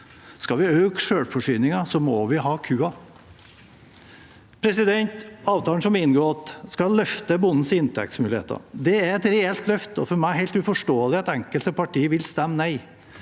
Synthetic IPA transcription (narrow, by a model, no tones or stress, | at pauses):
skɑʋɪøːkʂøːɽfɔʂyːnɪŋɑsɔmɔʋɪɦɑːkʰʉːɑ | pʰɾɛsɪd̪ɛnt̪ɑːʋt̪ʰɑːlənsɔmɪnɡoːɑt̪skɑlːœft̪əbʊnn̩sɪnt̪ʰɛ̰k̚t̪smʉːlɪḛːt̪ɑ̰ɾd̪ɛæɾɛt̪ɾɛɛlt̪lœft̪ɔfɔɾmæɪhæɪlt̪ʉfɔʂʈoːəlɪɛt̪ɛŋkəlt̪əpɑʈʰiːəʋɪlst̪ɛmːnæɪ